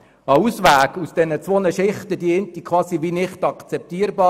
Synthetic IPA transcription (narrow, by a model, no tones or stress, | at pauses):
ɑusʋæːɡusd̥ɛnət͡sʋonəʃɪχtəd̥iəntikʰʋɑːsiʋinɪχtɑkt͡sɛp̚tiːəɾbɑː